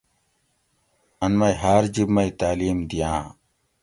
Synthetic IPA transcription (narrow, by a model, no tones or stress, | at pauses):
ɐnmɐiɦaːɾd͡ʑibmɐit̪aːliːmd̪ijãː